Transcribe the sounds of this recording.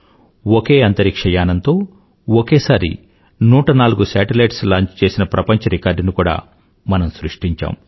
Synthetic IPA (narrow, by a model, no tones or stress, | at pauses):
woke̞ːɐnt̪ɐɾikʂɐjaːnɐnt̪o̞ː | okeːsaːɾḭ | nuːʈɐnaːluɡusaːʈilɐjʈslaːɲt͡ʃt͡ʃe̞ːsinɐpɾɐpɐɲt͡ʃɐɾikaːɾɖnikuːɽa̰ː | mɐnɐmsɾuʂʈiɲt͡ʃa̰ːm